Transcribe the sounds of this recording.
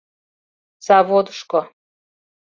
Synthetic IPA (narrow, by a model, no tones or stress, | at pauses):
z̥ɑβod̪əʃko